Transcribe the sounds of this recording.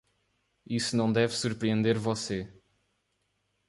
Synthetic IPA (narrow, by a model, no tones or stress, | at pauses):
isunɐ̃w̃d̪ɛvsuɾpɾiẽnd̪eɾvɔse